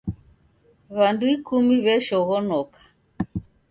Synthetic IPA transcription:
βanduikumiβɛʃɔɣɔnɔkḁ

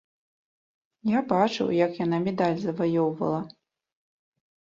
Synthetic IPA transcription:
jabat͡ʂɨ̰wjɐkjanamʲɛd̪alʲzɐvajɔwvɐ̰lˠɐ

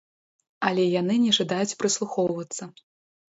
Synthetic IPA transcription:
ɐlʲɛjanɨnʲɛʐad̪ajut͡sʲpɾɨslˠuxɔwvɐt̪sːɐ

